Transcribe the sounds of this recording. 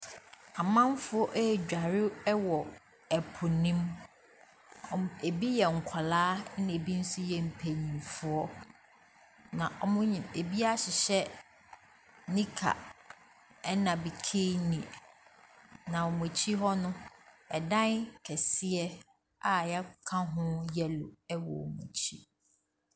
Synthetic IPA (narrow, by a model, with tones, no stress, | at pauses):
a˨mã˦m˦fʊ˦ɔ˦ʔɛ˦˨d͡ʑᶣa˨ɾɪ˦wɔ˨ | ɛ˨pʰʊ˨nĩ˦m | ɔ˨e˨bi˦jɛ˨ŋ̩˨kʷʰa˨laː˦ñ˦e˨bi˦n̩˦sʊ˦jɛ˨m̩˨pʰe˨ɲĩ˨mfʊ˨ɔ˦ | nã˨ʔɔ˨mʊ̃˦ɲĩ˨me˨bi˦a˦ɕɪ˨ɕɛ˦ | nĩ˦kʰa̰˨ | ɛ˦nã˨bi˨kʰe˦nĩ˨ | nã˨ɔ˨mũ˨t͡ɕʰi˦ɦɔ˦nʊ̃˦ | ɛ˨dã˦nkʰɛ˨sɪ˦ɛ˦ | a˨jɛ˦kʰã˦ɦʊ̃˦jɛ˦lʊ̰˨ɛ˦wɔ̰˨mṵ̃˨t͡ɕʰi˦